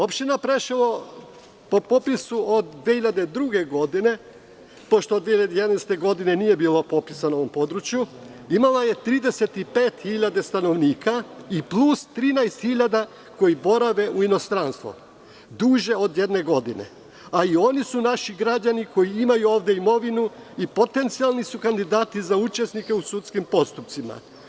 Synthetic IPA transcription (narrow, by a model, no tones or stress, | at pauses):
o̞pʃt̪inapɾeʃilo | po̞po̞pisuod̪ːʋehiʎad̪e̞d̪ɾuɡe̞ɡo̞d̪ine̞ | po̞ʃt̪od̪ʋeiʎad̪ejed̪najst̪e̞ɡo̞d̪ine̞nije̞biːlˠo̞po̞pisanao̞ʋo̞mpo̞d̪ɾut͡ɕju | imalaje̞t̪ɾiːd̪e̞se̞t̪ipe̞ːt̪xiʎad̪est̪ano̞ʋniːkʰaiplˠust̪ɾiːnajst̪xiʎad̪a | ko̞jibo̞ɾaʋe̞uino̞st̪ɾanst̪ʋo̰ | d̪uːʒe̞o̞d̪je̞d̪ne̞ɡo̞d̪ine̞̰ | aio̞nisunaʃiɡɾad͡ʑaniko̞jiimajuo̞ːʋd̪je̞imo̞ʋinuipo̞t̪e̞nt̪sialˠnisukand̪id̪aːt̪izaut͡ʃe̞snike̞usut̪skimpo̞st̪upt̪sima̰